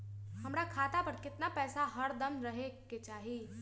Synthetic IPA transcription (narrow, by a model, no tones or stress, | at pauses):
hɐmɾakʰaːt̪apɐɾkɪt̪napɛːsaɦɐɾd̪ɐmɾɐɦeket͡ʃaːɦii